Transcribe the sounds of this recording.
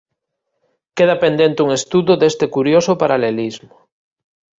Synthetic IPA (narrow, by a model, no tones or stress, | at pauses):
keðapend̪ent̪euŋest̪uðoðest̪ekuɾjosopaɾalelizmo